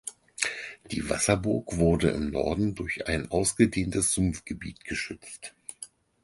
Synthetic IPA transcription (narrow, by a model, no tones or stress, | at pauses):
d̥ḭːva̰sɐbʊɐkv̥ʊɐdə̰ʔɪ̰mnɔ̰ɐdn̩dʊɐça̰ɪnʔaʊsɡ̥ədeːntəsz̥ʊmfɡ̥əbḭːtɡ̥əʃʏt͡st